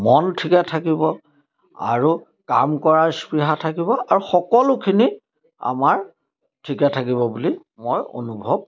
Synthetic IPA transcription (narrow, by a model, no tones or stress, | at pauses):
mɔntʰikatʰakibɔ | a̰ɹu | ka̰mkɔɹaɹspiɦatʰakiβɔʔaɹuxɔkɔlʊkʰini | a̰maɹ | tʰikatʰakiβɔbuli | mojo̰nubʱɔb̚